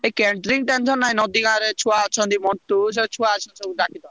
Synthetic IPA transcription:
ekɛɳʈɾiŋɡʈɛnt͡ʃʰɔnːaĩnɔd̪iɡãɾet͡ʃʰuaat͡ʃʰɔ̃nt̪imɔɳt̪usɛt͡ʃʰuaat͡ʃʰɔnsɔbud̪akʰid̪ɔ

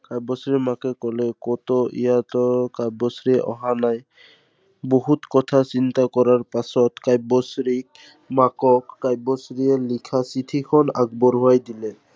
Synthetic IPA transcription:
kajbɔsɹimakɛkɔlɛkɔtɔʔḭjatɔkajbɔsɹiʔɔ̰ɦanaj | boɦutkɔtʰasint̪akɔɹaɹpasɔtkajbɔsɹik̚ | makɔkːajbɔsɹiɛlikʰasitʰikʰɔna̰ɡbɔɹɦʊajdilɛ

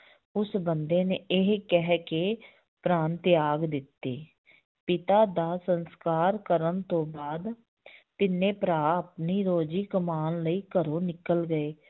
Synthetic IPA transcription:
ʊsbənd̪eːneːʔɪɦkɛɦkeː | pɾãːnt̪ɪjaːɡd̪ɪt̪ːeː | pɪt̪aːd̪aːsənskaːɾkəɾənt̪õːbaːd̪ | t̪ɪnːẽːpɾaːəpniːɾoːd͡ʒiːkəmaːnləiːkəɾoːnɪkəlɡəeː

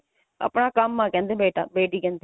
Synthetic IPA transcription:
ə̰pɳaːkəmːãːkɛ̃ːnd̪eːbeːʈa̰ːbeːʈiːkɛ̃ːnd̪eː

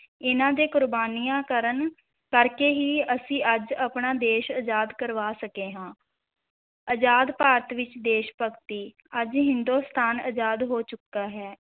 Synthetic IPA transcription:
ɪnãːd̪eːkʊɾbaːniːãːkəɾən | kəɾkeːɦiːəsĩːʔəd͡ʒəpɳaːd̪eːʃəd͡ʒaːd̪kəɾʋaːsəkeːɦãː | əd͡ʒaːd̪paːɾət̪ʋɪt͡ʃd̪eːʃpəkt̪iː | əd͡ʒɦɪnd̪oːst̪ʰaːnə̰d͡ʒaːd̪ɦoːt͡ʃʊkːaːɦɛː

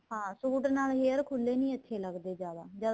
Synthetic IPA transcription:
hãːsuːʈnaːlɦeːəɾkʰʊlːeːnĩːət̪ʰːeːləɡd̪eːd͡ʒaːd̪aːd͡ʒaː

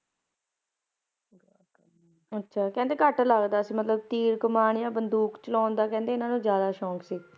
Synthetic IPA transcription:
ətːʃʰaːkɛ̃nd̪eːkəʈləɡd̪aːsĩːmət̪ləb̚t̪iːɾkʊmaːɳjãːbənd̪uːkt͡ʃəlɔ̃ːnd̪aːkɛ̃ːnd̪eːɪnãːnũːzjaːd̪aːʃɔːksiː

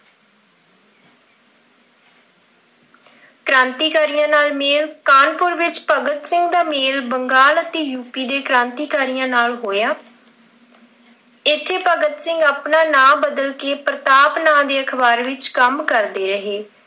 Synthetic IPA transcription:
kɾãːnt̪iːkaːɾijãːnaːlmeːlkaːnpʊɾʋɪt͡ʃpəɡət̪sɪŋɡd̪aːmeːlbəŋɡaːlət̪eːjuːpiːd̪eːkɾãːnt̪iːkaːɾijãːnaːlɦoːjaː | ɪt̪ʰːeːpəɡət̪sɪ̃ŋɡapnaːnãːbəd̪əlkeːpɾət̪aːpnãːd̪eːəkʰbaːɾʋɪt͡ʃkəmkəɾd̪eːɾəɦeː

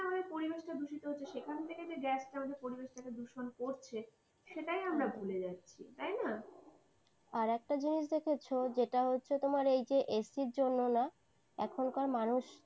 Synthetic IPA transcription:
amad̪eɾpoɾibeʃʈad̪ʱuʃit̪oɦotːɕʰeʃekʰant̪ʰeked͡ʑeɡɛsʈamad̪eɾpoɾibeʃʈaked̪uʃonkoɾt͡ɕʰe | ʃeʈajamɾabʱuled͡ʑatːɕʰḭt̪ajna | aɾɛk̚ʈad͡ʑiniʃ̬d̪ekʰet͡ɕʰod͡ʑeʈaɦotːɕʰet̪omaɾejd͡ʑeʔesiɾd͡ʑonːona | ɛ̰kʰonkaɾmanuʃ

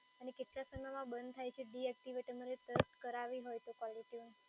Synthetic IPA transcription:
ənekɪʈ̪lasəŋɡəmãbənd̪t̪ʰajt͡ʃʰeɖiɛk̚ʈ̪iʋəʈəmaɾet̪əsʈkəɾaʋiɦojt̪okʋɔliʈiun

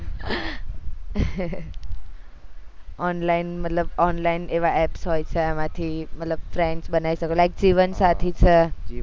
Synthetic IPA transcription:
ɔnlainmət̪ləbɔnlaineʋaʔɛpsɦojt͡ʃʰeamãt̪ʰimət̪ləb̚fɾeɳɖsbənaiʃəkelajk̚d͡ʒiʋənsat̪ʰit͡ʃʰe

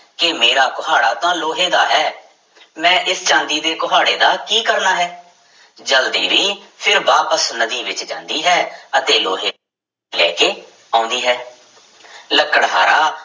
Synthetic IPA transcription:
kɪmeːɾaːkʊɦaːɽa̰ːt̪ãːloːɦẽːd̪a̰ːɦɛː | mɛ̃ːʔɪst͡ʃãːnd̪iːd̪eːkʊɦaːɽḛːd̪aːkiːkəɾnaːɦɛː | d͡ʒəld̪ḭːʋiːpʰɪɾʋaːpəsnəd̪iːʋɪt͡ʃd͡ʒãːnd̪iːɦɛːət̪eːloːɦeː | lɛːkeː | ãːʊnd̪iːɦɛː | ləkːəɽɦaːɾaː

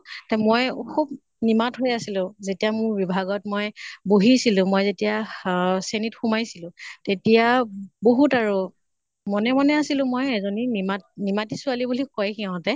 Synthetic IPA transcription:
tɛmojkʰub̚ | nimatɦojasilʊ̃zetijamʊɹbibʱaɡɔtmojboɦisilʊ̃mɔjzetijasenitxumajsilʊ̃tetijaboɦutaɹu | mɔnɛmɔnɛasilʊ̃mojɛzoninimat̚nimatisʊalibulikɔjkiaʊ̃tɛ

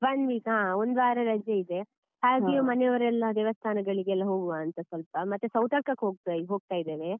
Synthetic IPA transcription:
bɐnʋiːkɦãːond̪ʋaːɾɐɾɐd͡ʒɐid̪e̞ | haːɡijumɐnejʋɐɾɛlːɐd̪eːʋɐst̪ʰaːnɐɡɐɭiɡɛlːɐɦo̞ːɡuʋaːnt̪ɐsʋɐlpɐmɐt̪ːusɐwt̪ɐɾkɐkːeoːɡ̚t̪ɦo̞ːɡ̚t̪aːjid̪eːʋe

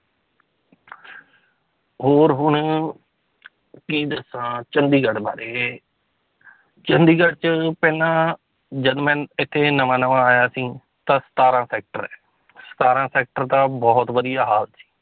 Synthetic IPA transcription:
ɦoːɾɦʊɳ | kiːd̪əsãːt͡ʃənd̪iːɡəɖba̰ːɾeː | t͡ʃənd̪iːɡəʈt͡ʃəpɛːnãː | d͡ʒəd̪mɛ̃ːnɪt̪ʰːeːnəʋãːnəʋãːaːjaːsĩː | t̪ãːsə̥t̪aːɾãːsɛːk̚ʈəɾɛː | sə̥t̪aːɾãːsɛːk̚ʈəɾt̪ãːbɔːt̪ʋəd̪ijaːɦaːlsi̥ː

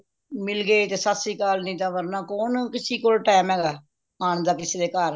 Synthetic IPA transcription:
mɪlɡeit̪eːsasiːkaːlnĩːt̪ãːʋəɾnãːkoːnkɪsiːkoːlʈaːmɛːɡaː | aːɳd̪aːkɪseːd̪eːkaɾ

